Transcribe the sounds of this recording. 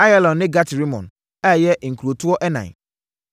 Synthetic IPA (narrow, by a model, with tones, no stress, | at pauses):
a˦ja˦lɔ̃˨n˨nɪ̃˦ɡa˦tʰi˨ɾi˦mɔ̰̃˨n | a˦˨jɛ˦˨ŋ̩˨kʰu˨ɾo˨tʰu˦ɔ˦ʔɛ˦nã̰˨